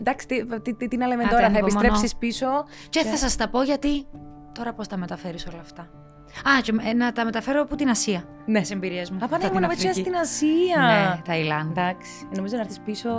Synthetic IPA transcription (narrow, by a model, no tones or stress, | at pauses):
nd̪ɐksi̥t̪it̪it̪it̪inɐlemet̪oɾɐθɐepisɾepsispiso̞ | ceθɐsɐst̪ɐpo̞ʝɐt̪i | t̪o̞ɾɐpost̪ɐme̞t̪ɐfe̞ɾiso̞lɐːft̪ɐ | ɐcenɐt̪ɐme̞t̪ɐfe̞ɾooput̪inɐsiɐ | nesembiɾiɐzmuɐpɐnɐmonɐvesɐst̪inɐsiɐet̪ɐilɐnd̪ɐksi̥no̞mizonɐɾθispiso